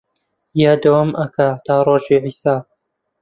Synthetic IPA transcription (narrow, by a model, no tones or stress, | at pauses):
jaːd̪ɐwɐmʔɐkat̪aːɾoːʒiʕiːsaː